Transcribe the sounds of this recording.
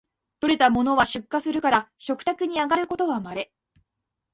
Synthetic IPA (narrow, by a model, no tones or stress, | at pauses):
t̪o̞ɾe̞t̪amo̞no̞βaɕɨkːasɨɾɯ̟kaɾaɕo̞kɯ̥t̪akɯ̟ɲ̟iaɡaɾɯ̟ko̞t̪o̞βamaɾe̞